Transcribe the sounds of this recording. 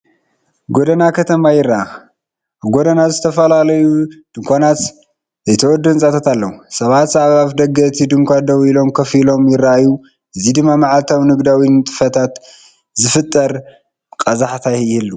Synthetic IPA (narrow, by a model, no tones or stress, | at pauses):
ɡod̪ɐnakʰɐt̪ʰɐmajɪraʔa | aβɡod̪ɐnazɨt̪ʰɐfɐlalɐjud̪̥ɨŋkʰʷanat̪ | zɐjt̪ʰɐwɔd̪ːɨnsʼat̪ʰat̪alːɐwusɐβat̪saβaβd̪ɐɡɐt̪ʰid̪ɨŋkʷad̪ɐwilo̞mkʰɐfilo̞mjɪraaju | ʔɨzid̪ɨmːamaʕalt̪ʰawnɨɡd̪awinɨt̪ʼɨ̥fɐt̪ʰat̪ | zɨfɨt̪ʼːɐɾ | kʼɐzaħt̪ʰajjhɨlːu